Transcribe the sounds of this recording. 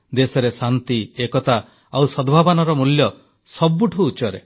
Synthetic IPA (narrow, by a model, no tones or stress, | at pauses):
d̪esɔɾesant̪iekɔt̪a | awsɔd̪bʱabɔnɔɾɔmuljɔ | sɔbːuʈʰuːt͡ʃɔɾe